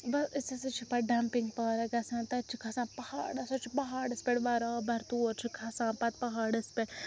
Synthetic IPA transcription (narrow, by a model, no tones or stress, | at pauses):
bɐsɪsɐsɨt͡ʃʰipɐɖampɪŋɡ̚paːɾɐɡɐsãːnt̪ɐt͡ʃʰikʰɐsaːnpɐha̰ːɽɐsɐt͡ʃʰibɐɦaːɽɐspʲeɽʋɐɾɐːbɐɾt̪uːɾt͡ʃʰikʰɐsãːnpɐt̪̚pɐɦaːɽɐspʲeɽ